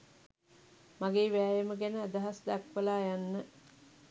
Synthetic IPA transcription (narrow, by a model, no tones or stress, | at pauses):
maɡeːʋæːjeməɡænəæd̪əɦasd̪akʋəlaːjanːə